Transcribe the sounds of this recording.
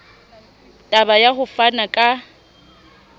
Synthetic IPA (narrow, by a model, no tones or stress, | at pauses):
tʼabajahʊfanakʼa